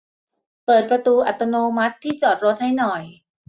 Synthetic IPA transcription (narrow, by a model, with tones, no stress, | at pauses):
pɤː˨˩t̪̚pɾa˧t̪uː˧ʔa˨˩t̪a˧noː˧ma˦˥t̪ʰːiː˥˩t͡ɕɔː˨˩t̪̚ɾo˦˥t̪̚ha˥˩jnɔ˨˩j